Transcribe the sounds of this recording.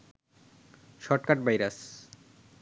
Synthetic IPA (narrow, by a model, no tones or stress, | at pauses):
ʃɔʈkaʈbajɾas